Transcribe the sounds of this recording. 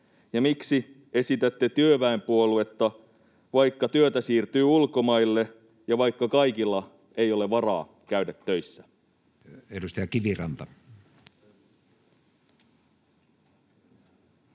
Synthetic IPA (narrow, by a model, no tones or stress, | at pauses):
jɑmiksi | e̞sit̪æt̪ːet̪yøʋæempuolue̞t̪ːɑ | ʋɑjkːɑt̪yøt̪æsiːrt̪yːulko̞mɑjlːe̞ | jɑʋɑjkːɑkɑikilːɑ | e̞jo̞le̞ʋɑrɑ̰ː | kæydæt̪ːø̞jsːæ | edust̪ɑjɑkiʋirɑnt̪ɑ